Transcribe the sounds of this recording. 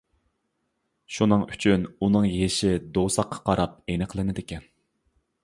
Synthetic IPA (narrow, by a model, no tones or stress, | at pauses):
ʃunɨŋyt͡ʃʰynunɨŋjeʃɪd̪owsɑqʰːɑ̥qʰɑɾɑp̚ejnɨqʰəlˠɨnɪd̪ɪkʲɛn